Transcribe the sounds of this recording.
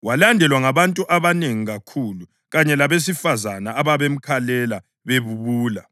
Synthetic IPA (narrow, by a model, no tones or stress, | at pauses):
walandʱɛlwaŋaβantʼuʔaβaneŋiɣakʰulu | ɣaɲɛlaβes̬ifazanaːβaβem̩kʰalɛla | βeβuβuːla